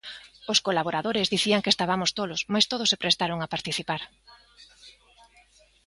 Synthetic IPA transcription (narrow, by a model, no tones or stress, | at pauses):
oskolaβ̞oɾaðoɾɪzðiθiaŋkest̪aβamʊst̪olosmajst̪oð̞ʊsepɾest̪aɾoŋapaɾt̪iθipaɾ